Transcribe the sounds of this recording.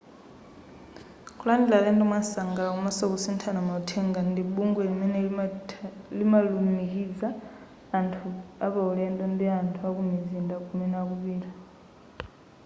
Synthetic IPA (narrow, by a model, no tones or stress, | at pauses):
kʰulandilalɛndimwasaŋɡalakumasɔkusintʰanamautʰɛŋɡandiɓuŋɡɔimɛnɛ | limalumikid͡zaː | ntʰuaβauɺɛndɔndiantʰuakumizindakʰumɛnɛakuβiːɾa